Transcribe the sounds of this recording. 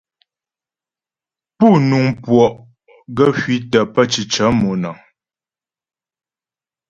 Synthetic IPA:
pu˦˨nu˨ŋpwɔ˨ʔ | ɡə˦fɥi˦tə˨pə˦t͡ʃi˨t͡ʃə˨˦mo˨na˨ŋ

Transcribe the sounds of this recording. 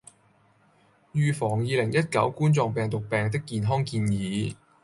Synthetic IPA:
jyː˨˧fɔː˨˩ŋjiː˨˧lɪ˨˩ŋjɐ˥t̚kɐ˨˥wkuː˥nt͡sɔː˧ŋpɛː˨ŋt̪ʊ˨k̚pɛː˨˩ŋt̪̬ɪ˥kːiː˨˧nɦɔː˥ŋkiː˧njiː˨˥

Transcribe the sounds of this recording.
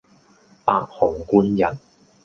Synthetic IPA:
pa̰ː˧t̚hɔː˨˩ŋkuː˥njɐ˨˩n

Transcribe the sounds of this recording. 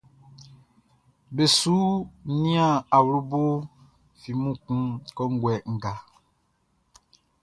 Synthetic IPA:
be˨suː˦nĩ˦ã˦˨a˨wlu˦bo˦ | fi˨mũ˦˨kũ˦kɔ˦ŋ̩˦ɡwɛ˨ŋ̩˨ɡa˨

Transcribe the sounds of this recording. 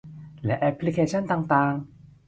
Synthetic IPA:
lɛ˦˥ʔɛ˧pʰːli˧kʰeː˧˩t͡ɕʰa˥˩nt̪aː˧ŋt̪aː˧ŋ

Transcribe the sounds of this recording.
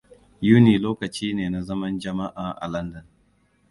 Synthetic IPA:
juː˦niː˨loː˦kɐ˨t͡ʃiː˦neː˨na˨zɐ˦mɐ˦nd͡ʒɐ˨ma˦ʔaː˨ʔa̰˨lɐ˦ndɐ˨n

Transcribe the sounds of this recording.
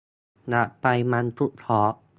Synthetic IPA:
na˧˩ʔpa˧jma˧np̪ʰu˦˥ʔt̪ʰɔː˨˦ʔ

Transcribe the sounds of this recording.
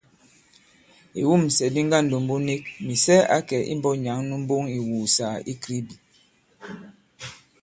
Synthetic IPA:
ḛ˨wu˦˨m̩˨sɛ˨bi˦ŋ˦ɡa˦˨n̩˨do˨m˦bo˦ne˦k̚mi˨sɛ˦a̰˨˦kɛ˨ʔḭ˦m˦bɔ˦ɲa˨˦ŋnu˦m̩˦bo˦ŋi˨wuː˨sa˨i˦kɾi˦bi˨

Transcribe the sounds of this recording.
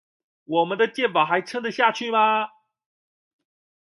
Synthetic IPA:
wɔ˨˩mə˦nd̪ə˧t͡ɕjɛ˥˩npɑ˨˩ʊxa˧˥ɪʈ͡ʂʰɤ˥ŋdə˨ɕja˥˧t͡ɕʰy˥˩mɐ˨

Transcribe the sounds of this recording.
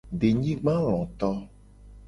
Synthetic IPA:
ɖe˨ɲĩ˦ɡ͡bã˦l̃ɔ̃˨t̪ɔ˦

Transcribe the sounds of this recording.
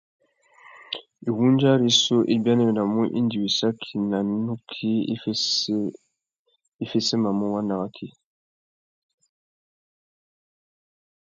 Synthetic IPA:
e˨wu˦nd͡ʒa˦ɾi˦so˦ʔe˨ba˦ne˦˨na˨mu˦ʔḭ˦ndi˨wi˨sa˦kʰi˨na˨nu˦kʰi˦ | e˨fe˦se˦ma˨mo˦wa˦na˨ɣa˦kʰi˦

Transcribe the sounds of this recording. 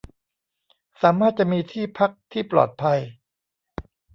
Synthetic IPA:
saː˩˦maː˥˩t̪̚t͡ɕa˨˩ʔmiː˧t̪ʰiː˥˩pʰa˦˥k̚t̪ʰiː˥˩plɔ̰ː˨˩t̪̚pʰa˧j

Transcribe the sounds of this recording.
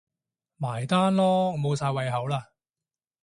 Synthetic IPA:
maː˨˩jt̪aː˥nlɔː˥mo˨˧wsaː˧jwɐ˨˧jɦɐ˨˥wlaː˧

